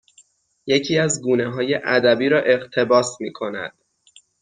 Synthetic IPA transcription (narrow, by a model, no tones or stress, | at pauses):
je̞cʰiːæzɡuːne̞ɦɒːje̞ʔæd̪æbiːɾɒːʔe̞ɢt̪ʰe̞bɒːsmiːkʰo̞næ̰d̪̥